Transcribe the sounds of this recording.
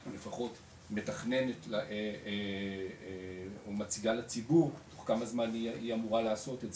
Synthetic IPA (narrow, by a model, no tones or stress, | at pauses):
lefaχo̞t | me̞taχne̞netlee | omat͡siɡalat͡sibuʁtoχkamazmaniiamuʁaleːso̞tetz